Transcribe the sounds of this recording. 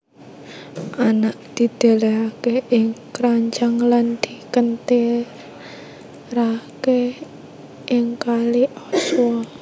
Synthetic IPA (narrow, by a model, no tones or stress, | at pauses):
ʔanaʔd̪̥i̤d̪̥e̤leakeʔɪŋkɾaɲt͡ʃaŋland̪̥i̤kənt̪e | rake | ʔɪŋkaliʔɔswɔ